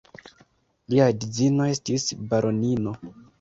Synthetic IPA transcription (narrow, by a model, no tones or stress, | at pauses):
liadid͡zino̞e̞stisbaɾo̞nino̞